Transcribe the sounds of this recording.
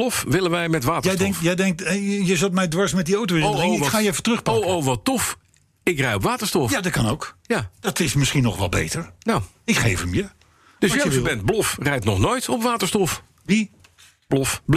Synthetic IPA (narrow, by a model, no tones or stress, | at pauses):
lɔfʋɪlənʋɛjmɛtʋaːtəɛjdɛŋkjɛjdɛŋk̚tjəzəltmɛjdʋɑɹsmɛt̚diowtowɪrdərɪŋɪkχaːjɛfətrɵχpɑowʋɑtɔf | ɪkrɛjɔpʋaːtəɹstɔfjadɑt̚kɑnowkjad̥ɑtɪsmɪsχinɔχʋɑ̰lbḛjtəɹnaw | ɪkχejfəmjə | d̥əsbɛnt̚blɔfrɛjtnɔχnoːjtʰɔpʋaːtəɹstɔf | ʋi | b̥lɔfb